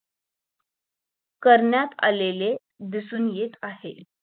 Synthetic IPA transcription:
kəɾɳjat̪a̰lele | d̪isuːnjet̪aɦe

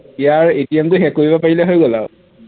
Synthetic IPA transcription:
ijaɹetijɛmtʊxɛkoɹibapaɹilɛɦojɡɔla̰ʊ

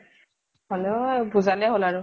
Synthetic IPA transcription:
hɔlɛbuzalɛɦolaɹʊ

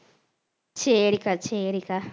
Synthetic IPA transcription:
t͡ʃʰeɾikat͡ʃʰeɾika

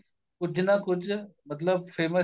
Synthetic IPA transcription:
kʊd͡ʒʱnakʊd͡ʒʰʱmɐt̪ləb̚fʰeːmə

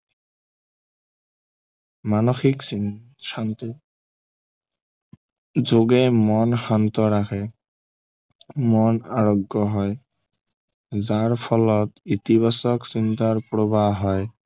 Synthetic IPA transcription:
manoxiks | ant̪ | zoɡemɔnʃant̪ɔɾakʰe | mɔnaɾoɡːɔɦɔe | zaɹpʰɔlɔt̪it̪iβʱasɔksint̪aɾpɾobaɦɔj

